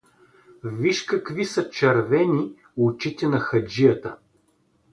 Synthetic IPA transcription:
viʃkɐkvisɐt͡ʃɐɾvɛni | ʊt͡ʃit̪ɛnɐxɐd͡ʒijət̪ə̰

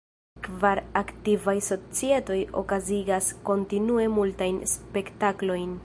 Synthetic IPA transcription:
kvaɾaktivajso̞t͡sie̞to̞jo̞̰kaziɡasko̞ntinue̞multajnspe̞ktaklo̞jn

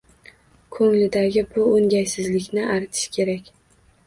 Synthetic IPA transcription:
kʰɵŋlɪd̪aɡʲɪbʊoŋɡʲajsɪzlɪkʲnɪʔaɾt̪ʰɪ̥ʃkʲʰe̞ɾakʲ

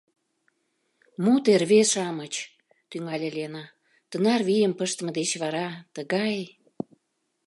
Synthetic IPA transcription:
mut̪erβeʃɑmət͡ɕ | t̪yŋɑlʲelʲenɑ | t̪ənɑrβijəmpəʃt̪mə̆d̪et͡ɕβɑɾɑt̪əɣɑj

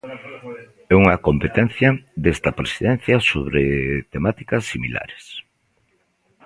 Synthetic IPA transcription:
ɛuŋɐkompet̪ɛn̟θjɐd̪est̪ɐpɾesiðɛn̟θjɐsoβ̞ɾet̪emat̪i̥kɐsːimḭla̰ɾe̥s

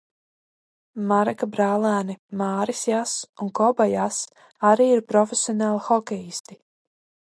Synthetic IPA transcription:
maɾɛkabɾaːlˠæːnimaːɾisjasunkɔbajas | aɾiːiɾpɾɔfʲesʲiɔnaːlˠxɔkʲɛjist̪i

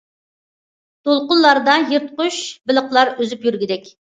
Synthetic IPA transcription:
t̪ʰolˠqʊnˠlːˠɑɾd̪ɑjiɾt̪qʊʃbɪlˠəqlˠɑɾøzypjyɾɡʲid̪ɛkʲ

